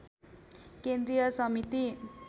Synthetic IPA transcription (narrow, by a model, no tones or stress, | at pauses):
kend̪ɾijʌsʌmit̪i